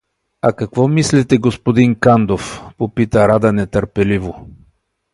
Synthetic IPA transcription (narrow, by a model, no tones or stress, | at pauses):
akɐkvɔmislɛt̪ɛɡospod̪iŋkand̪ofpopit̪əɾad̪ənɛt̪əɾpɛlivo